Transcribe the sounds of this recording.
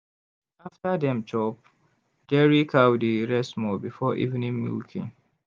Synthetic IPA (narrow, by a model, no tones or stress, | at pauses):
aftadɛ̃mt͡ʃɔp̚ | dɛɹikʰawdiɹɛsmɔbifɔʔḭvnĩŋmḭlkʰĩŋ